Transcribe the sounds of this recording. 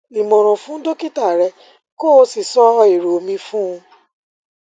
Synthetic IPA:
nĩ˨mɔ̃˨ɾ̃ɔ̃˨fũ˨˦do˦ki˦ta˦˨ɾɛ˧ | ko˦˨˧si˨sɔ˦˧i˨ɾo˨˦mĩ˧fũ˦ũ˧

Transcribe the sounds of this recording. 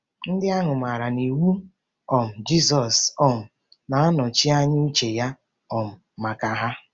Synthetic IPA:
n̩˦dɪ˦a˦ɦʊ˨ma˨ɾa˨ni˨wu˦ | ɔ˨m̩˨d͡ʒi˦sɔ˨sɔ˦m̩˨ | na˨a˦nɔ˨t͡ʃi˦a˦ɲɪ˦u˦t͡ʃe˨ja˦ | ɔ˨m̩˨ | ma˨ka˨ɦa˦

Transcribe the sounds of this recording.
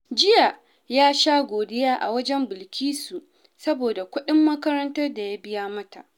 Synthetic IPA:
d͡ʒɪ˦ja˨ | jaː˦ʃaː˦ɡʷoː˨dɪ˦jaː˦ʔa̰˨wɐ˦d͡ʒɛ˦mbɪ˨lkʲʰiː˦su˨ʔ | sɐ˦boː˨da˨kʷʊ˦ɗɪ˦mːɐ˦kɐ˦ɾɐ˦ntɐ˦rda˨ja˦bɪ˦jaː˦mɐ˦ta˨ʔ

